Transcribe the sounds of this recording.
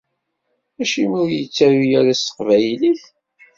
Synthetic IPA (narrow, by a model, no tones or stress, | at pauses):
æʃimʊɾjət͡sːæðijæɾæsə̥qvæjliθ